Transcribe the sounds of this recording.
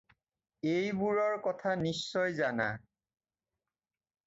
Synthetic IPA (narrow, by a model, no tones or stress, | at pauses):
ejbuɹɔɹkɔtʰanisːɔjzana̰